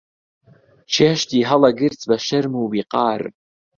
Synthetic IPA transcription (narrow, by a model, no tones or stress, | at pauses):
ʃeʃtʰiɦalaɡɨrt͡sʰbaʃɐrmɨwbiqʼɑːr